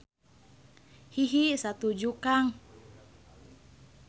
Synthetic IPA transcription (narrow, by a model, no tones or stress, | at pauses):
hiɦisat̪ud͡ʒukaŋ